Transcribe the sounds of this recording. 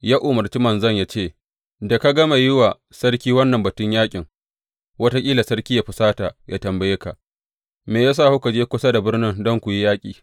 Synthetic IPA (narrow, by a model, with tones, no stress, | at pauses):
jaː˦ʔʊ˨mɐ˨rt͡ʃi˦mɐ˨nzɐ˦˨ɲjaː˦t͡ʃeː˦˨ | da˨ka˦ɡɐ˦ma˨jɪ˦wa˨ | sɐ˦rkʲiː˦wɐ˦nːɐ˨mbɐ˨tʊ˦ɲjaː˦kʲʼɪ˨ŋ | wɐ˦ta˦kʲʼiː˦la˨sɐ˦rkʲiː˦ja˦ɸɪ˨saː˦ta˨jʔa˦tɐ˨mbɐ˨je˦ka˨ʔ | meː˨jaː˦s̬aː˦˨hʊ˦ka˨d͡ʒeː˦kʷʊ˦sa˦da˨bɪ˦rnɪ˦ŋdɔ˦ŋkʷu˨ji˦jaː˦kʲʼiː˨